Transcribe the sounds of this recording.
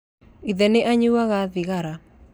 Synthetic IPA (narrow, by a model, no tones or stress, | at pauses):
iðɛneʔaɲuwaɣaðiɣaɾa